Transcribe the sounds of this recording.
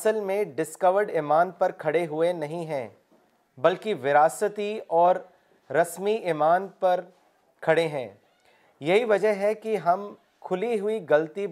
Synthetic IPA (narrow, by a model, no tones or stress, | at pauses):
səlmẽɖɪskɐʋəɾɖɪːmaːnpɐɾkʰɐɽeɦʊenɐɦĩɦɛ̃ː | bɐlkiʋɪɾaːsət̪iɔːɾː | ɐsmiʔɪmaːnpɐɾ | kʰɐɽeɦɛ̃ː | jɐɦiʋɐd͡ʒəɦɛkiɦɐm | kʰʊliɦʊiɡɐlt̪i